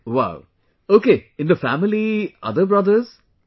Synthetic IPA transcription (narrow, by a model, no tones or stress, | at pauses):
wa̰ʊ | oːkeːɪ̃nd̪əfæmɪliʔʌ̰d̪əbɹʌd̪əz̥